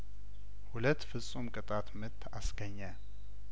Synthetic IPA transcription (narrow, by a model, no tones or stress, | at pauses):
hulət̪ːfɨsʼumkʼɨt̪ʼat̪mɨt̪ʰːasɡəɲːa